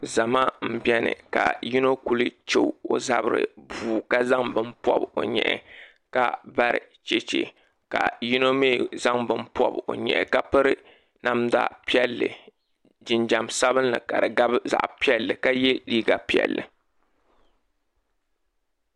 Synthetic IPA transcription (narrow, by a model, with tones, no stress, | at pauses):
za˨ma˦m̩˨bi˦ɛ˦nɨ̰˨ka̰˨ji˦no˦ku˦lɨ˦t͡ʃe˦o˨za˦bɨ˨ɾɨ̰˨buː˨ka˦za˦ŋbɨ˦mpɔ̰˦bo˨ɲɛ̰˨ʔɛ̰˨ | ka˦ba˦ɾɨ̰˨ | t͡ʃe˦t͡ʃḛ˨ | ka̰˨ji˦no˦meː˦˨za˦ŋbɨ˦npɔ˦bo̰˨ɲɛ̰˨ʔɛ˨ka˦pɨ˦ɾɨ˦ | na˦˨mda̰˨pi˦ɛ˦lːɨ˨ | d͡ʒɪ˨nd͡ʒa˨msa˦bɨ˦nːɨ˨ka˨dɨ˨ɡa˦bza̰˨ʔpi˦ɛ˦lːɨ˨ka˦jɛ˦liː˦ɡa˨pi˦ɛ̰˨lːɨ˨